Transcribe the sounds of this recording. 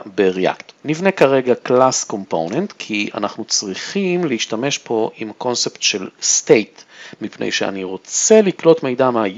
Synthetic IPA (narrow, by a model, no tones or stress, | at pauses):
beʁea̰kt̪nivne̞kaʁeɡaklasko̞mpo̰wnentkʰiʔa̰naχnut͡sʁiχimleiʃtame̞ʃpo̞ʔimko̞nseptʃelstejtmipnḛjʃea̰niʁo̞t͡seliklo̞tme̞jdamaj